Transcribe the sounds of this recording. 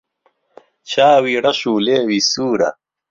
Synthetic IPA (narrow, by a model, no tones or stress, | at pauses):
t͡ɕaːwiːɽɐɕuːleːwisuːɾɐ̰